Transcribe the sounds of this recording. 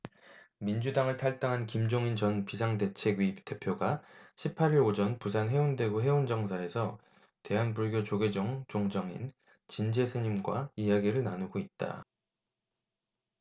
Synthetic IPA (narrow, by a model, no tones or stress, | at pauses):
mind͡ʑudaŋɯɭtʰaɭt͈aŋɦankimd͡ʑoŋint͡ɕʌnpisʰaŋde̞t͡ɕʰe̞ɡɥip̚t͈e̞pʰjoɡaɕʰipʰaɾiɾod͡ʑʌnpus̬ʰanɦe̞unde̞ɡoɦe̞ond͡ʑʌŋs̬ʰaɾe̞sʰʌ | te̞ɦanbuɭɡjot͡ɕoɡe̞d͡ʑʌŋt͡ɕoŋd͡ʑʌŋḭn | t͡ɕind͡ʑe̞sʰɯɲimɡwa̰ijaɡiɾɯɭnanuɡoit̚t͈a̰